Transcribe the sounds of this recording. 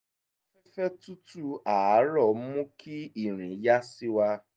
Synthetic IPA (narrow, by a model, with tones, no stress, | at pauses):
fɛ˦fɛ˦tu˦tu˦a˨˦ɾɔ˦˨m̩˦mũ˦kʰi˦i˨ɾ̃ĩ˨ja˦si˦wa˧